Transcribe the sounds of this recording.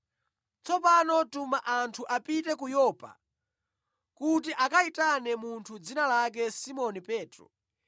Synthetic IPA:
t͡sɔpanɔtumaʔantʰuʔapitɛkujɔːpa̰ | kut̬iʔakaitanɛmuntʰud͡zinalak̬ɛsimɔnipɛːtɾɔ̰

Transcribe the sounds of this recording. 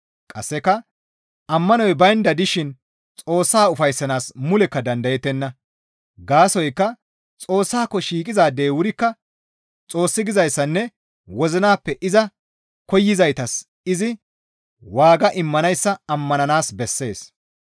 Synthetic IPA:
kʼɐ̰sːɛkːɐ | ɐmːɐnɔjbɐjnd̪ɐd̪ɪʃɪn | t͡sʼo̞ːsːaːʊfɐjsːɐnaːsmʊlɛkːɐd̪ɐnd̪ɐjɛt̪ːɛnːɐ | ɡaːsɔjkːɐ | t͡sʼo̞ːsːaːkːɔʃiːkʼɪzaːd̪e̞ːwʊɾɪkːɐ | t͡sʼo̞ːsːɪɡɪzɐjsːɐnːɛ | wɔzɪnaːpːɛʔɪzɐ | kɔjːɪzɐjt̪ɐs | ɪzɪ | waːɡɐʔɪmːɐnɐjsːɐɐmːɐnɐnaːsbɛsːe̞ːs

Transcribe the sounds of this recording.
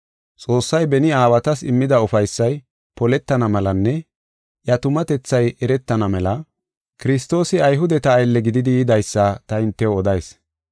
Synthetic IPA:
t͡sʼo̞ːsːɐjbɛnɪaːwɐt̪ɐsɪmːɪd̪ɐʊfɐjsːɐj | pɔlɛt̪ːɐnɐmɐlɐnːɛ | ʔjɐt̪ʊmɐt̪ɛt͡sːɐjɛɾɛt̪ːɐnɐmɛlɐ | kɪɾɪs̬t̪o̞ːsɪɐjɦʊd̪ɛt̪ɐːjlːɛɡɪd̪ɪd̪ɪjɪd̪ɐjsːɐt̪ɐɪnt̪ːɛwɔd̪ɐjs

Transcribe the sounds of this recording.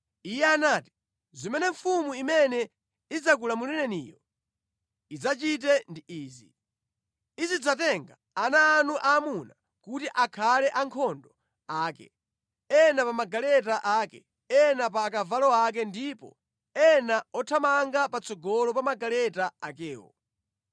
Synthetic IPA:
ijɛanaːti̥ | zimɛnɛɱfumuimɛnɛ | id͡zak̬ulamulɛnɛnijɔ | id͡zat͡ʃit̬ɛndiiːzḭ | izid͡zatɛŋɡa | anaːnuʔaːmuna | kutiʔakʰalɛʔaŋkʰɔndɔ | aːkɛ̰ | ɛnapamaɡalɛtaʔaːkɛ̰ | ɛnap̬aːkavalɔak̬ɛndipɔ̰ | ɛnaɔtʰamaŋɡapat͡sɔɡɔlɔpamaɡalɛtaakɛːwɔ̰

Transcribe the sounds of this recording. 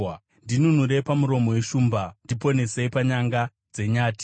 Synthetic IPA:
ndinunuɾe̞pamuɾo̞mo̞weʃuːmbandipo̞ne̞seipaɲaŋɡa | d͡ze̞ɲaːti̥

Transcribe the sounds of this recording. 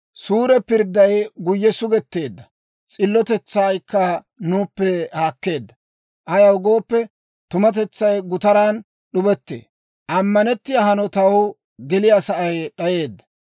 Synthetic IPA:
suːɾɛpɪɾd̪ːɐjɡʊjːɛsʊɡɛt̪ːe̞ːd̪ːɐ | t͡sʼɪlːɔt̪ɛt͡sːaːjkːɐ | nuːpːɛhaːkːe̞ːd̪ːɐ | ʔɐjɐwɡo̞ːpːɛ | t̪ʊmɐt̪̬ɛt͡sːɐjɡʊt̪ɐɾaːn | ɗʊbɛt̪ːḛː | ʔɐmːɐnɛt̪ːɪjahɐnɔt̪ɐwʊ | ɡɛlɪjasɐʔɐjɗɐje̞ːd̪ːɐ

